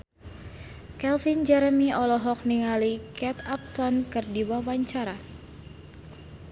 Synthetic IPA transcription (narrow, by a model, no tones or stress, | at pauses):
kɛlfind͡ʒɛɾəmiɔlɔɦɔk̚niŋalikɛt̪ap̚t̪ɔnkɨrdiwawaɲt͡ʃaɾa